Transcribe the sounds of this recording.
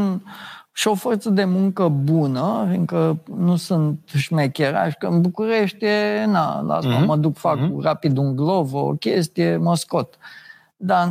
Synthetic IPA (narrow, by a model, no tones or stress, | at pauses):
nʃio̞fo̞rt̪səd̪e̞muŋkəbunəfiŋkənusunt̪ʃmekʲeɾa̰ʃkənbukuɾe̞ʃt̪jena̰la̰saməd̪ukfakrapid̪uŋɡlo̞vo̰kʲe̞st̪ije̞məsko̞t̪ | d̪a